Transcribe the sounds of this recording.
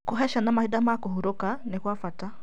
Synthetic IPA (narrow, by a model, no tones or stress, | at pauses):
koɦɛʃanamahidamakohoɾokanekwafata